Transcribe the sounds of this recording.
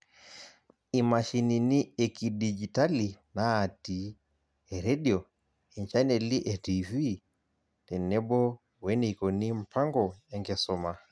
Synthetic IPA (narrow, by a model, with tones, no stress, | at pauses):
i˨ma˨ʃi˨ni˨ni˦ɛ˨ki˨did͡ʒi˨ta˦li˨naː˨ti˨ | ɛ˨ɾɛ˦ɗi˨ɔ˨ | ɛ˨ɲt͡ʃa˦nɛ˨li˦ʔɛ˨ti˨vi˦ | tɛ˨nɛ˦bɔ˦ | wɛ˦nɛ˨i˨kɔ˨ni˦m̩˨pʰa˦ŋɡɔ˨ɛ˦ŋɡɛ˨sɔ˦ma˨